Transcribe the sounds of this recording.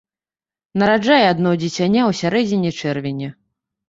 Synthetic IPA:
nɐɾad͡ʐajɛad̪nɔd͡zʲit͡sʲanʲawsʲaɾɛd͡zʲinʲit͡ʂɛrvʲɪnʲɛ

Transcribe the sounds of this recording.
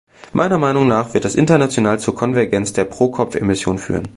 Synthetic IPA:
mʔa̰ɪnɐmaɪnʊŋnaːχv̥ɪɐt̚d̥asʔɪ̰ntɐnat͡sjonaːlt͡suːɐkʰɔnvɛɐɡɛnt͡sd̥eːɐpʁ̥oːkʰɔpp͡fḛmɪsjoːnfy̰ːʁ̞ən

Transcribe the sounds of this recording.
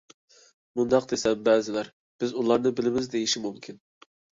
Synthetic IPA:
mund̪ɑq̚d̪esɛmbɛːzɪlæɾ | b̥ɪzulˠɑɾnɨbɪlɪmɪzd̪ejiʃimumkʲʰin

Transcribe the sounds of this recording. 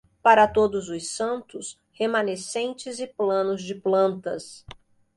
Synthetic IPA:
paɾɐt̪od̪ʊzʊsɐ̃nt̪ʊs | hemɐ̃nesẽnt͡ʃɪzɪplɐ̃nʊzd͡ʒɪplɐ̃nt̪ɐs

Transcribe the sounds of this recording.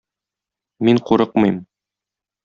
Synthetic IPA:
miɴquɾɤq̚mɤ̆jm

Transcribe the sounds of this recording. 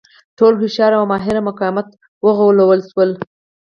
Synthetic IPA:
ʈolxɪʃɑɾawmɑɦɪɾamʊkɑwɪmat̪ | wəɣawlawəlʃwəl

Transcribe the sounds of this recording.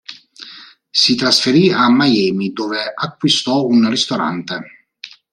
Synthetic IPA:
sit̪ɾasfeɾiamːajɛːmid̪oːveakːwist̪ɔunrist̪oɾa̰nt̪e

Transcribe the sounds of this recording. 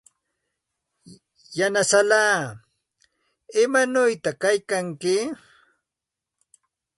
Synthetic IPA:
janasalaː | ɪmanʊjt̪akajkaŋkɪ

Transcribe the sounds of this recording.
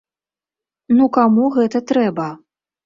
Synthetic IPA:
nukamuɣɛt̪ɐt̪ɾɛbɐ

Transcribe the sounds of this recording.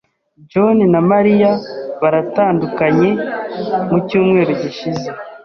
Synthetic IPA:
d͡ʒo̞ninamaɾijaβaɾataːndukaɲe̞ | mucuːmŋe̞ːɾoɟiʃize̞

